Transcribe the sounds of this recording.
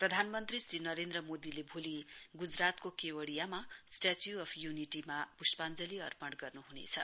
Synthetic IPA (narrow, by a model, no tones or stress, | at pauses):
prʌd̪ʱanmʌnt̪risrinʌɾend̪rʌmod̪ilebʱuliɡud͡zrat̪kokewʌɽijamasʈat͡sjuʌpʰjuniʈimab̥uspand͡zʌliʌ̰rpʌɽɡʌrnuɦunḛt͡sʰʌ